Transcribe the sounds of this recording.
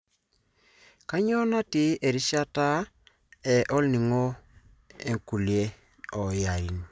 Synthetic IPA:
ka˦ɲɔ˦na˦ti˦ʔe˨ɾi˦ʃa˦ta˦ | ɛ˨ʔɔ˦lni˨ŋɔ˦ | e˨ŋku˨lje˦ | ɔ˨ja˨i˨˦n

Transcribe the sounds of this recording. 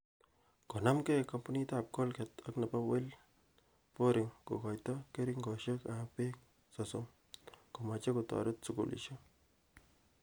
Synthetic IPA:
ko˨na˦mke˦ka˦mpu˦ni˦ta˦p̚ko˦lkɛ˨t̪akna˨pa˦we˦l | po˦ɾɪ˨ŋko̰˨kɔ˨jtɔ˦ke˦ɾi˦ŋɡɔ˨ʃə˦ka˨pe˦k̚ | sɔ˨som | ko˨ma˨t͡ʃe˦kotɔ̰˨ɾʊ˦t̚su˨kṵ˨lʔḭ˨ʃo˦

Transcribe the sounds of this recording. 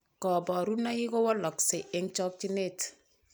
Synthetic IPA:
kɔ˨bɔ˨ɾu˦na˦i˦ko˦wɔ˦lɔ˨ksɪ˨ʔɪ˦ŋt͡ʃɔ˦k̚t͡ʃi˦ne˦˨t

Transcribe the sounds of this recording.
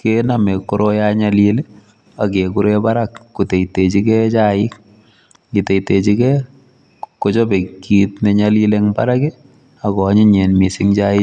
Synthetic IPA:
ke˦name˨kːo˦ɾo˦jaɲalile˦ | a˨ke˨kuɾe˦ba˦ɾakkːu˨te˨itet͡ʃi˦kɛ˦t͡ʃaɪ˦k̚ | ɡite˨te˨t͡ʃi˦kɛ˦ | ko˦t͡ʃo˦be˨kːi˦tneɲali˦leŋba̰˦ɾa˦ke˦ | akɔ˨˦ɲi˦ɲe˨nmi˨siŋt͡ʃa˦ɪ˦

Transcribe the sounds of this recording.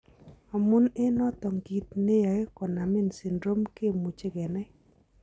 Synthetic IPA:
a˨mu˦ne˦nɔ˦t̪ɔ˨ŋɡi˨t̪̚ne˦ja˨e˦kɔ˨na˨mɪ˦nsɪ˨ndɾo˦mke˦˨mu˨t͡ʃe˦ɡɛ˨nɛ˦

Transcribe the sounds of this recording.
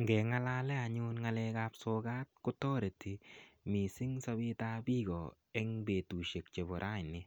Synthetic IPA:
ŋɡɛ˨ŋa˦la˦lɛ˦a˨ɲunŋa˦lɛ˧kapso˧ɡa˦t̚kʊ˦tɔ˦ɾe˨ti˨mi˨sɪ˦ŋsa˦bi˦tabiː˦ɡɔ˨ | ɛ˦ŋbe˨tu˨ʃe˨k̚t͡ʃe˨bɔ˨ɾʔa˦jnɪ˦

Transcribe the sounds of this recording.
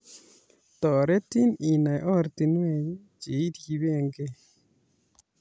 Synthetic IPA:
t̪ɔ˨ɾe˦t̪i˦ni˨na˨jʔɔ˦˨ɾt̪i˨nwe˨jd͡ʒi˨i˦ɾi˨βe˦˨ŋɡe˦˨

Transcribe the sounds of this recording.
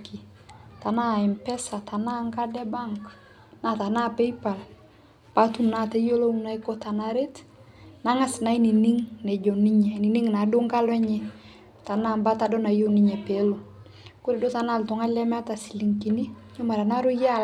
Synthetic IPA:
ki˨ | ta˨na˦˨ɪ˨mpɛ˦sa˨ta˨na˦ŋka˦dɛ˦ba˦ŋk | na˨˦˨ta˨na˦pe˦pa˨l | pa˨˦tu˦mna˦˨tɛ˦jo˦lo˦u˦na˨jko˦ta˨na˨ɾe˦t | na˦ŋa˦sna˨˦i˦ni˨ni˦ŋnɛ˨d͡ʒɔ˨ni˦ɲɛ˨ni˨ni˦ŋna˨do˦ŋka˦lɛ˦ɲɛ˦ | ta˨na˦˨mba˦ta˨dɔ˦na˨jo˦ni˦ɲɛ˨pe˨˦lo˨ | ko˦ɾe˨do˦ta˨na˦˨ltɔ˨˦ŋa˦lɛ˦m˦a˦ta˨si̥˨li˨ŋki˨ni˦ɲo˦ma˨ɾa˨na˦ɾo˦ja˦

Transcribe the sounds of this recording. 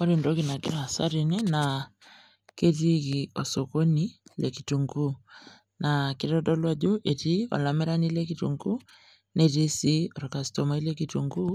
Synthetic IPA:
ɔ˦ɾi˨ndo˦ki˨na˨ki˦ɾa˨sa̰˦ɾi˨ne˦na˨ | ke˦ti˦ki˨ɔ˨so˨ko˦ni˦le˨ki˨tu˨ŋɡu˦ | na˨ki˦ɾɔ˦dɔ˦lwa˦ɟo˦ʔe˨ti˦ɔ̰˨la˨me˦ɾa˦nile˦kitṵ˨ŋɡu˦ | ne˨ti˦si˦ɔ˨ɾɔ˨ka˨si̥to˨ma˨i˦le˦kitu˨ŋɡu˦

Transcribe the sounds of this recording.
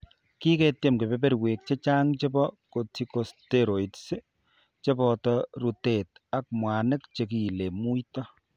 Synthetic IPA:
ki˦kɛ˨tje˦mke˨be˨be˦ɾwe˨k̚t͡ʃe˦t͡ʃaː˦ŋt͡ʃe˦bɔ˦ko˨tiko˨steɾo˨itse˦ | t͡ʃe˦bɔtɔɾu˨te˨t̚a˨k̚mwa˨nɪ˦k̚t͡ʃe˨ki˨le˨mu˦jtɔ

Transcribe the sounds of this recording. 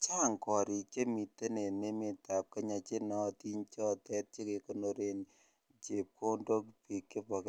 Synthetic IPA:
t͡ʃa˦ŋkɔ˨ɾi˨t͡ʃe˦mi˨te˦ne˨ne˦mi˨ta˨p̚ke˦ɲa˨t͡ʃe˦nɔ˦ti˦ɲt͡ʃɔ˦tɛ˦t̚t͡ʃe˦ke˨ko˦no˨ɾe˨n | t͡ʃe˨p̚ko˦ndo˦kpi˨kːe˦pɔ˨ke˨

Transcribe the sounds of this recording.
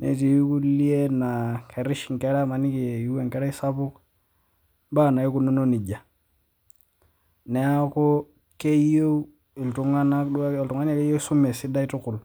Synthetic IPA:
nḛ˨ti˨ju˦ku˦li˦e˦na˨ke˨ɾi˦ʃi˨ŋ˨kɛ˦ɾa˦ma˨ni˦ki˨ju˦wɛ˨ŋkɛ˦ɾa˦i˦sa˦pu˦k | ba˦˨na˨ji˦ku˦no˦no˦ni˨d͡ʒa˨ | nɛ˨ja˦ko˦ | ke˦jo˦u˦ | i˨ltu˨ŋa˦na˦du˦˨ltu˨ŋa˦n˦e˦ke˦jo˦su˦mɛ˨si˦da˦i˦tu˦ku˨l

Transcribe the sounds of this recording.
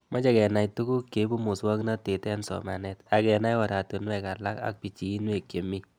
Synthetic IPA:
mɔ˦t͡ʃa˨kɛ˨na˨jtu˦ku˦kːe˨˦bu˦mu˨swɔ˦kna˦te˨tɛ˦nsɔ̰˨ma˨nɛ˦ta˧kɛ˨na˦jwa˨ɾa˨tu˨nwɛ˦ka˨la˦ka̰˦k̚pi˨t͡ʃiː˨˦nwe˦˨kje˨mi˦

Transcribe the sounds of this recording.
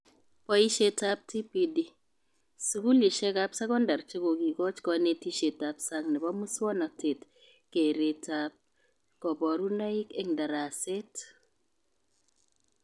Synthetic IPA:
pɔ˦i˦ʃe˦ta˦p̚ti˦pi˨di˨ | su˨ku˦li˨ʃɛ˦ka˦psa˦kɔ˦nda˨ɾt͡ʃe˦ko˨ɡi˨kɔ˦t͡ʃkɔ˨ne˦ti˦ʃe˨ta˨psa˦ŋnɪ˨bɔ˦mu˦swɔ˦nɔ˨te˨t | ke˨ɾe˨tap̚ | kɔ˨bɔ˨ɾu˦na˦i˦kɛ˦ŋda˨ɾa˨se˦t

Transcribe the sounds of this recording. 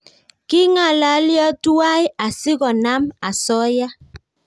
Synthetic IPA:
ki˦ŋa˨la˨˦ljɔ˦tu˦a˦ja˨si˦ɣɔ˨na˦ma˨sɔ˦ja˦

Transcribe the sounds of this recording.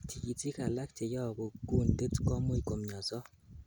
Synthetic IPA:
tʰi˨i˨ti˦ka˨la˦k̚te˨jɔ˦˨bo˨ɡu˦˨nte˦tkɔ˦mo˦i˨ko˨mɲɔ˨sɔ˦

